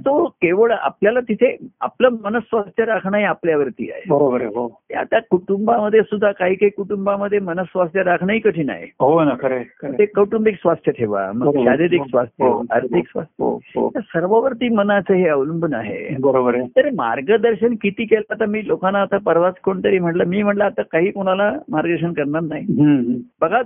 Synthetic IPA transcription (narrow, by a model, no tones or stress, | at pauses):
t̪okeʋəɭa̰pljalat̪it̪ʰea̰pləmənəsːʋast̪ʰjəɾakʰɳaɦiapljaʋəɾt̪ḭːa̰ḛbəɾobəɾɦot̪ja̰t̪jakuʈumbaməd̪ʱːjesud̪ʱːakaɦiːkaɦikuʈumbaməd̪ʱːjemənəsːʋast̪ʰjəɾakʰɳaɦiːkəʈʰiːna̰ɦj̰ɦonakəɾekəəet̪ʰekəʈumbiksʋast̪ʰjət̪ʰeʋa̰məɡɡɕaɾiɾiksʋast̪ʰjea̰ɾt̪ʰiksʋa̰st̪ʰɦo̰ɦt̪asəɾʋəʋəɾt̪iːmənat͡səɦeəwlumbəna̰ɦḛbəɾobəɾt̪əɾma̰ɾɡəd̪əɾɕənkit̪iːkelat̪amiːlokanːaːt̪apəɾʋat͡skoɳt̪əɾiːm̤əʈləmiːm̤əʈləːt̪akaɦiːkoɽ̃alamaɾɡəɕ̬ənkəɾnaɾnaɦiɦɦbəɡʱa